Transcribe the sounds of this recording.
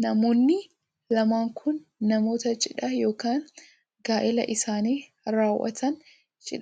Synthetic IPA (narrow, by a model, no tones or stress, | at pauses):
nɐmo̞ːnːɪ | lɐmaːŋkʰʊnːɐmo̞ːt̪ɐt͡ʃʼɪᶑɐjo̞ːkaːn | ɡaːʔɪlɐʔɪsaːniː | ɾaːwʔɐ̰t̪ɐn | t͡ʃʼɪ̰ᶑ